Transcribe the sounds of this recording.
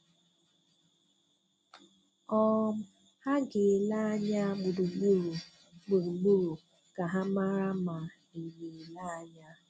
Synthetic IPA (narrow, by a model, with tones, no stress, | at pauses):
ɔ˦m̩˦ | ha˦ɡe˨la˦ɲa˦ɡ͡bu˨du˨ɡ͡bu˦ɾu˨ | ɡ͡bu˨ɾu˨ɡ͡bu˦ɾu˨ | ka˨ɦa˦ma˦ɾa˦ma˨ | i˨ɡe˨la˦a˨ɲa˦